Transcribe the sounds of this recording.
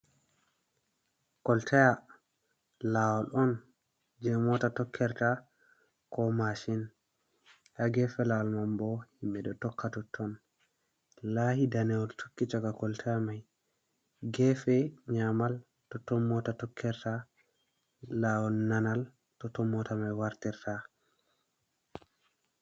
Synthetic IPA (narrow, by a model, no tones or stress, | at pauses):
kɔltʰɛja | lawɔlʔɔn | d͡ʒɛmɔtatɔkʰːɛɾta | kɔmaʃin | haɡɛfɛlawɔlmambɔhimɓɛɗɔtɔkʰːatɔtʰːɔn | lahidanɛɔltʰo̥kːit͡ʃakakɔltʰamaj | ɡɛfɛɲamal | tɔtɔmːɔtatɔkʰːɛɾta | lawɔlnanal | tɔtɔmːɔtamajwaɾtɛɾta